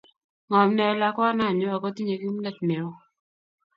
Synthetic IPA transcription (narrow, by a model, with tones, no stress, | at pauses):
ŋɔ˨mnɛ˨la˦kɔ˦na˦˨ɲɔ˦a˨kɔ˦ti˦ɲe˨ki˦m˦nɛ˦˨t̚mɛ˨ɾɔ˦